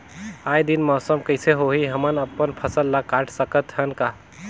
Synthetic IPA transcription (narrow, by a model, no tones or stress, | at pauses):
ajd̪inmɔɦsəmkəɪseɦoɦiɦəmənəpːənpʰəsəlːakaʈʰsəkət̪ɦənka